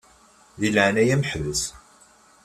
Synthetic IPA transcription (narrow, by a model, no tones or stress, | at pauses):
ðilʕnæjæməħvəs